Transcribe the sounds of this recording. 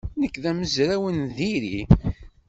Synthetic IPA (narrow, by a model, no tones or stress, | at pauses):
nəkːðæməzɾæwənðiɾi